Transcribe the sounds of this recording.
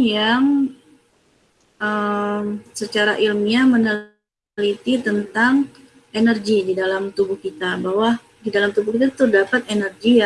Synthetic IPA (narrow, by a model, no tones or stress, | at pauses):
jaŋ | əmsət͡ʃaɾaʔilmɲamənəl | lit̪it̪ənt̪aŋ | enərɡididalamt̪ubuhkit̪abawa | didalamt̪ubuhkit̪at̪ədapat̪̚enərɡia